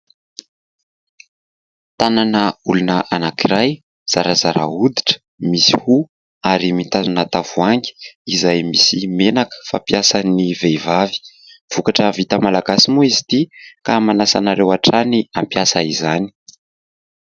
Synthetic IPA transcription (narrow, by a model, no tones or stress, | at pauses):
t̪ananəulunəʔanakiɾaj | z̥aɾazaɾa̰ud̪iʈ͡ʂə̥ | misi̥hu | aɾimit̪azunat̪avuaŋɡʲiizajmisimenakə̥fa̰mpjasanivevavi̥ | v̥ukaʈ͡ʂəvit̪əmalaɡasimuizit̪ikamanasa̰naɾewaʈ͡ʂaniampjasaizani̥